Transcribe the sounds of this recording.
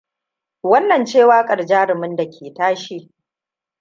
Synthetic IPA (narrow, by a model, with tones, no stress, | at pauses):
wɐ˦nːɐ˨nt͡ʃeː˦˨waː˦kʼɐ˨rd͡ʒaː˦ɾɪ˨mɪ˦nda˨kʲʰeː˨taː˦ʃi˦